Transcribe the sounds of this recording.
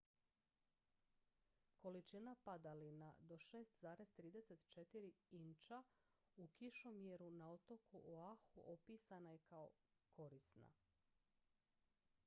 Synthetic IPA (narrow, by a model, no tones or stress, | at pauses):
ko̞lit͡ʃinapad̪alinad̪o̞ʃe̞ːst̪zaːɾe̞zt̪ɾiːd̪e̞se̞t̪t͡ʃe̞t̪iɾiint͡ʃa | ukiʃo̞mjeɾunao̞t̪o̞kuʔoaxuʔopiːsanajekao̞kʰo̞ɾisna̰